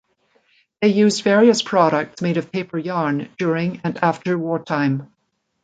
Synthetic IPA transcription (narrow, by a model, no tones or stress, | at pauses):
ðeɪjʉzdvɛɹiɨspʰɹ̥ɑɾək̚tsmeɪɾʌv̥pʰeɪpə˞jɑɹnd̥ʊɹɪ̃ŋɨ̃næftə˞wɔɹtʰãɪ̃m